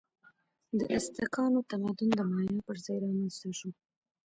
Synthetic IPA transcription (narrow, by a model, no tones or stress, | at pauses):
d̪əʔɪst̪ɪkɑnot̪amad̪ʊnd̪əmɑjɑpəɾzɑjɾɑmanst̪aʃo